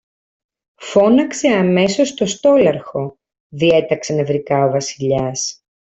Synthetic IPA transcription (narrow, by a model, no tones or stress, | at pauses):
fo̞nɐkse̞ɐme̞so̞st̪o̞st̪o̞lɐɾxo̞ | ðie̞t̪ɐksɐnevɾikɐo̞vɐsiʎɐs